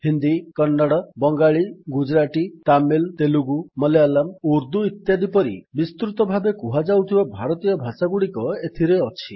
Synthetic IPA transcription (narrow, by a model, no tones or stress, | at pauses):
hind̪ikɔnːaɽɔbɔŋɡaɭiɡud͡ʒɾaʈit̪amilt̪eluɡumɔlealamuɾd̪uit̪jad̪ipɔɾḭbist̪ɾut̪ɔbʱabekuɦad͡ʒawt̪ʰibabʱaɾɔt̪ijɔbʱasaɡuɽikɔet̪ʰiɾeɔt͡ʃʰi